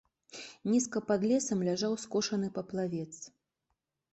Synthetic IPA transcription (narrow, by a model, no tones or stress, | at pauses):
nʲiskɐpad̪lʲɛsɐmlʲaʐawskɔʂɐnɨpɐplˠavʲɛt̪s